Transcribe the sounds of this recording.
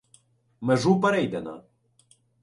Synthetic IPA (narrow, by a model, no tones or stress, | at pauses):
meʒupɛɾɛjd̪ɛnɐ̰